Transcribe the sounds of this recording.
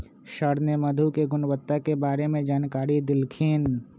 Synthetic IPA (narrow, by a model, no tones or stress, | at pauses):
ʃəɾneməd̪ʱukeɡʊnwət̪ːakebaːɾemẽd͡ʒaːnkaːɾid̪ɪlkʰin